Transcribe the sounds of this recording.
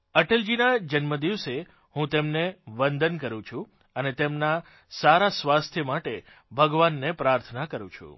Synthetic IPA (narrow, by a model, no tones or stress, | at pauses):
əʈeld͡ʒinad͡ʒənməd̪iʋse | hũt̪emneʋənd̪ʱənkəɾũt͡ʃʰũ | ənet̪emna | saɾasʋast̪ʰjəmaʈe | bʱəɡʋanːepɾaɾt̪ʰənakəɾṵ̃t͡ʃʰṵ̃